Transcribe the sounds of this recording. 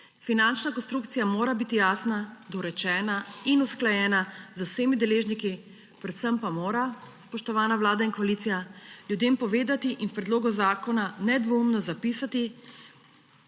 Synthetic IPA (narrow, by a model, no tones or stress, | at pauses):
finant͡ʃnakɔnst̪ɾuːk̚t̪sijamoːɾabit̪ijaːsnad̪ɔɾɛt͡ʃɛːnainusklajɛːnazɐwseːmid̪ɛleːʒniki | pɾɛt̪səmpamoːɾaspɔʃt̪ɔʋaːnaʋlaːd̪ainkɔaliːt̪sijaljud̪eːmpɔʋeːd̪at̪iʔinspɾɛd̪loːɡɔzaːkɔnanɛd̪ʋoumnɔzapiːsat̪i